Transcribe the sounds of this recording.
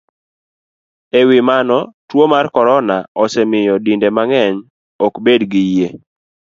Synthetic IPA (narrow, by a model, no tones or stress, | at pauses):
ewɪmanɔtwomarkɔɾɔnaɔsɛmɪjɔdindemaŋɛɲ | ɔkbedɡɪje